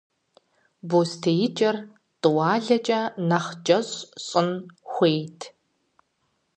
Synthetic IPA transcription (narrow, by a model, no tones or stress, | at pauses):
boːstʰejɪt͡ʃʼɐr | tʼɨwɑːɮɐt͡ʃʼɐnɐχd͡ʒʼɐʑɕʼɨnxʷeːjtʰ